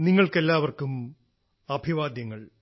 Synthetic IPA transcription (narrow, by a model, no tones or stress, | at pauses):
niŋːɐɭke̞lːaːʋɐrkum | ɐbʱiʋaːd̪jɐŋːɐɭ